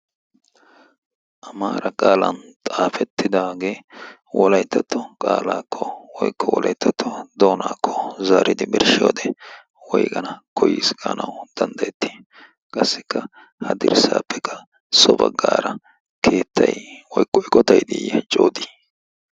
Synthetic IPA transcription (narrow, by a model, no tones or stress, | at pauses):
ʔɐmaːɾɐkʼaːlɐnt̪ʼaːfɛt̪ːɪd̪aːɡe̞ː | wɔlɐjt̪ːɐt̪ːɔkʼaːlaːkʰːɔwɔjkʰːɔwɔlʔɐjt̪ʰːɐt̪ʰːɔd̪oːnaːkʰːɔzaːɾɪd̪ɪmɪɾʃɪjoːd̪ɛ | wɔjkʼɐnɐkʰɔjiːsɡɐːnɐwd̪̥ɐnd̪ɐjɛt̪ːi̥ː | kʼɐsːɪkːɐ | hɐd̪ɪɾsa̰ːpːɛkʰːɐ̥ | sɔbɐ̰ɡaːɾɐ | kʰe̞ːt̪ːɐjwɔjkʼːɔɪkʼɔt̪ɐjd̪ɪjɛt͡ʃʼoːd̪iː